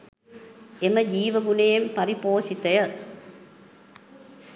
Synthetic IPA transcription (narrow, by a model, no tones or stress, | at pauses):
ʔɛmɐd͡ʒiːʋɐɡʊnɐjɐmpɐɾɪpoːsɪt̪ːɐjɐ